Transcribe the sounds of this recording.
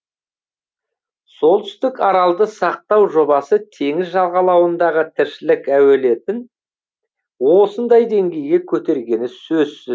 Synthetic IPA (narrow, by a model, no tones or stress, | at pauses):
so̞lˠt̪ʏ̥st̪ɪkɑɾɑlˠd̪əsɑq̚t̪ɑwʒo̞bɑsət̪ʰe̞ŋɪzʒɑlˠʁɑlˠɑwənd̪ɑʁət̪ʰɪɾʃɪlɪkæwe̞le̞t̪ɪn | wo̞sənd̪ɑjd̪e̞ŋɡʲe̞jɡʲe̞kʲʰɵt̪e̞ɾɡʲe̞nɪsɵz̥sɪ